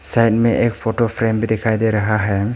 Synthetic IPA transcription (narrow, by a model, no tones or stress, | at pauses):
sajt̚meʔek̚pʰotopʰɾembidɛkʰajdeɾaɦaɦem